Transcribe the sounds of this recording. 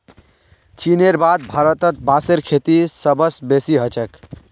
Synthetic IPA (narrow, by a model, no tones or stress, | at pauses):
t͡ʃineɾbad̪̚bʱaɾət̪ət̪̚baseɾkʰet̪isəbəsbesiɦət͡ʃək